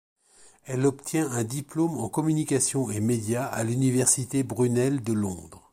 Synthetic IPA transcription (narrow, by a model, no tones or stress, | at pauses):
ɛlɔpt̪jɛ̃ɛ̃d̪iplomɑ̃kɔmynikʲasjɔ̃emed̪jaa̰lynivɛʁsit̪ebʁynɛld̪əlɔ̰̃d̪ʁ